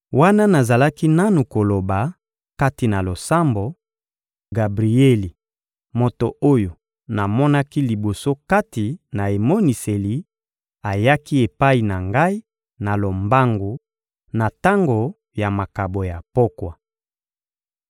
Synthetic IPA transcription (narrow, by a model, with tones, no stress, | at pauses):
wa˦na˦na˨za˨la˦ki˦na˦nu˨ko˨lo˨ba˨ | ka˦ti˨na˨lo˨sa˦mbo˨ | ɡa˨bʁi˨e˦li˨ | mo˨to˨ʔo˦jo˨ | na˨mɔ˦na˦ki˦li˨bo˨so˦ka˦ti˨na˨e˨mo˦ni˨se˨li˨˦ | a˨ja˦ki˦e˨pa˦i˨na˨ŋɡa˦i˦ | na˨lo˨mba˦ŋɡu˨ | na˨ta˦ŋɡo˨ | ja˨ma˨ka˨bo˨ja˨po˦kwa˨